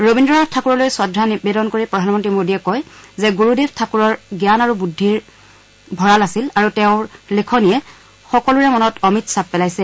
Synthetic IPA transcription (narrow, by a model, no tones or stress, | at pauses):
ɹobindɔɹatʰakuɹɔlojswadʱːanibedɔnkoɹipɹɔdʱanmɔntɹimodiɛkɔjzɛɡuɹudebtʰakuɹɔɹɡjanaɹubudʱːiɹ | bʱɔɹalasilaɹutɛʊ̃lekʰɔnijɛ | xɔkɔluɹɛmɔnɔtɔmitsapːɛlajsɛ